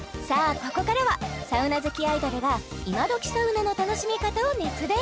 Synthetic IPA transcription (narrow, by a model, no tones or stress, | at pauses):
saːko̞ko̞kaɾaβasaɯ̟nazɨkʲiaid̪oɾɯ̟ɡaimad̪o̞kʲi̥soɯ̟nonot̪ano̞ɕimʲikat̪aonet͡sɨd̪e